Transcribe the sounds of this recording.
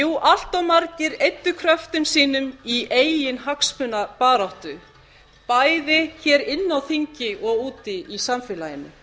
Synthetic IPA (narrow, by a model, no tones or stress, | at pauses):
juːʔal̥t̪awmaɾcɪɾejt̪ːʏkʰɾœft̪ʏmsiːnʏmieːjjɪnɦakspʏnapaːɾawht̪ʏ | pajðɪçɛːɾɪnːawθiɲcɪʔɔɣuːt̪ɪisamfɛːlajɪnːɪ̰